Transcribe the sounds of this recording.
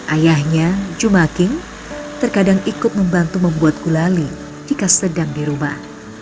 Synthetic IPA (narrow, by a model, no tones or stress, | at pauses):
ʔajahɲad͡ʒumakɪŋ | t̪ərkadaŋikʊt̪̚məmbant̪uməmbuat̪̚ɡulali | d͡ʒikasədaŋdiɾuma̰h